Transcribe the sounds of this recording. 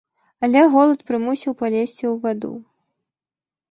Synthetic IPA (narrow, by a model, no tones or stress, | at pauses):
alʲɛɣɔlˠɐt̪pɾɨmusʲiwpalʲesʲt͡sʲiwvad̪ṵ